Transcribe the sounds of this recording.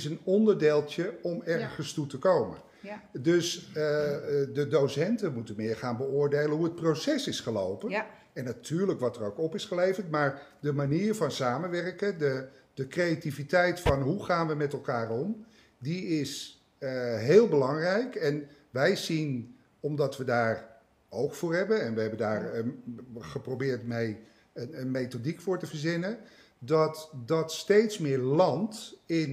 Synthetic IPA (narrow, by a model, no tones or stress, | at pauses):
sənɔndəɹdeːlˠtjəɔmɛrχənstutəkowmə̰ | døs | dədowsɛntənmutənmɪːɹχaːnbəʊːɹdejlənɦuɦət̚prowsɛsɪsχəlo̰wpən | ɛnːatʰyːɹləkʋɑtərowkɔpɪsχəlejvərtmaːɹdəmaniːɹvɑnsaːmənʋɛrkədədəkrejativitɛjtfɑnɦuχaːnʋəmɛtɛlˠkaːrɔm | diɪs | ɦɪːlˠbəlɑŋrɛjkɛn | ʋɛjzin | ɔmdɑtʋədaːr | owkfʊːɹɦɛbənɛnʋəɦɛbəndaːɹənχəprowbɪːɹtmej | ənənmejtodikfʊːɹtəvəɹzɪnə | dɑtdɑtstejtsmɪːɹlɑntɪn